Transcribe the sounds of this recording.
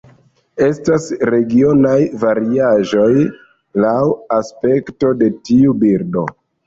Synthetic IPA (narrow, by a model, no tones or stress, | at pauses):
e̞stasɾe̞ɡio̞najvaɾiaʒo̞j | lawaspe̞kto̞de̞tiubiɾdo̞̰